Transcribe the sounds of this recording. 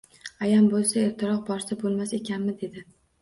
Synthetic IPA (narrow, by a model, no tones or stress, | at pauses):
ajambolˠsaeɾt̪ʰɪɾɒq̚bɒɾsabolˠmase̞kʲʰanmɪd̪e̞d̪ɪ